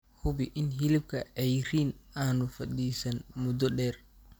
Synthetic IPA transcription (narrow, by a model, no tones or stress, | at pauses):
hʊbɪʔɪnɦɪlɪb̚kʰɐɛjɾiːnaːnʊfɐd̪iːsɐnmʊd̪ɔɗɛːr